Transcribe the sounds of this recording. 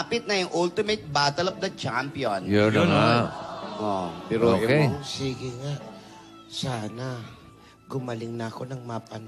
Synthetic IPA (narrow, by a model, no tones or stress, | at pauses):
pɪt̪̚nɐjʊŋʔult̪ɪmɛt̪̚baːt̪ɐlɐfd̪ɐt͡ʃampjonjonjoŋa | ʔopɛːɾooːjkesiːɡɪŋaʔ | saːnɐ | ɡʊmɐlɪŋnɐɐko̞nɐŋmapɐn